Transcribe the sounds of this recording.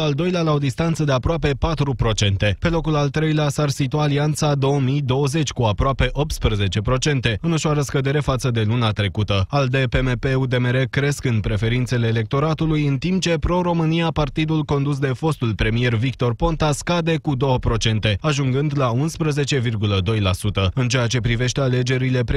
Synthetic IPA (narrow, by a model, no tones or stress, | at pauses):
ald̪o̞jlealao̞d̪ist̪ant̪səd̪e̞apɾoape̞pat̪ɾupɾo̞t͡ʃe̞nt̪e̞pe̞lo̞kulalt̪ɾe̞jleasarsit̪uaːliant̪sad̪o̞wəmijd̪o̞wəze̞t͡ʃʲkuapɾoape̞ʔo̞p̚t̪spɾəze̞t͡ʃe̞pɾo̞t͡ʃe̞nt̪e̞ɨnoʃoaɾəskəd̪e̞ɾe̞fat̪səd̪e̞lunat̪ɾe̞kut̪əald̪e̞pe̞mepe̞ud̪e̞meɾekɾe̞skɨnpɾe̞fe̞ɾint̪se̞le̞ːle̞k̚t̪o̞ɾat̪ulujɨnt̪imp̚t͡ʃe̞pɾo̞ɾo̞mɨnijapart̪id̪ulko̞nd̪us̬d̪e̞fo̞st̪ulpɾe̞mije̞rvikt̪o̞rpo̞nt̪askad̪e̞kud̪o̞wəpɾo̞t͡ʃe̞nt̪e̞aʒuŋɡɨnd̪launspɾəze̞t͡ʃe̞virɡuləd̪o̞jlasut̪əɨnt͡ʃe̞jat͡ʃe̞pɾive̞ʃt̪e̞ale̞d͡ʒe̞ɾile̞pɾ